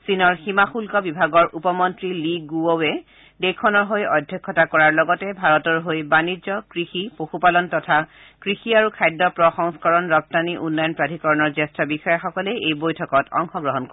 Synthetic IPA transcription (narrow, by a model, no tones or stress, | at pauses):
sinɔɹximaxulkɔbibʱaɡɔɹʔupɔmɔntɹiliɡuowɛ | dekʰɔnɔɹɦojɔdʱjɔkʰːɔtakɔɹaɹlɔɡɔtɛbʱaɹɔtɔɹɦojbanizɔkɹixipoxupalɔntɔtʰa | kɹixiaɹukʰajdɔpɹɔxɔŋskɔɹɔnɹɔp̚taniʔunːajɔnpɹadʱikɔɹɔnɔɹzɛstɹabixɔjaxɔkɔleejbojtʰɔkɔtɔ̰ŋxɔɡɹɔɦɔnk